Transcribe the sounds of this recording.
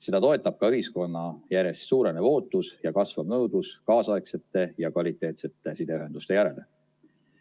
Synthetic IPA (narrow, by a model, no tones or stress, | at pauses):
se̞d̪ɑt̪o̞e̞t̪ːˑɑb̥̚kɑyɦisko̞nːɑjæɾe̞st̪suːɾe̞neo̞ːt̪ːˑusjɑkɑsvɑbnɤwd̪̥uskɑːsɑekse̞t̪ːˑe̞jɑkvɑlit̪ːˑe̞ːt̪se̞t̪ːˑe̞sid̪eyɦe̞nd̪̥ust̪e̞jæɾe̞le